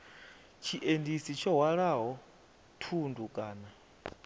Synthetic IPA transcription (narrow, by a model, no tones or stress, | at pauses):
t͡ʃʰiʔendisit͡ʃʰɔwaɺaɦɔ | tʰundukʼaːna